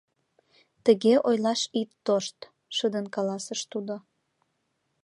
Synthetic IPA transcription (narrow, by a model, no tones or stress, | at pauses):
t̪əɣeʔojlɑʃit̪ːoʃt̪ | ʃəd̪ənkɑlɑsəʃt̪ud̪o